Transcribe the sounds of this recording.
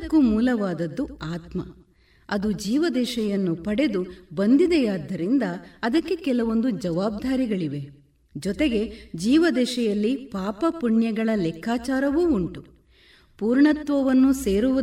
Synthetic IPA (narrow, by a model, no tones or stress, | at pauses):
kːumuːlɐʋaːd̪ɐd̪ːuaːt̪mɐ̰ | ɐd̪ud͡ʒiːʋɐd̪ɛːʃɛjɐnːupɐɽe̞d̪ubɐnd̪id̪ɛjaːd̪ːɐɾind̪ɐːd̪ɐkːe̞kɛlɐʋo̞nd̪ud͡ʒɐʋaːb̚d̪ʱaːɾiɡɐɭiʋe̞ | d͡ʒɔt̪e̞ɡe̞d͡ʒiːʋɐd̪ɛːʃɛjɐlːipaːpɐpuɳjɐɡɐɭɐlɛkʰːaːt͡ʃaːɾɐʋuːɳʈu | puːɾɳɐt̪ʋɐʋɐnːuse̞ːɾuʋu